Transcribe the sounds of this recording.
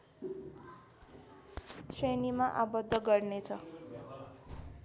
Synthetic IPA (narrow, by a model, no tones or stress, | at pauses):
senimaʔabʌd̪ʱːʌɡʌrnet͡sʰʌ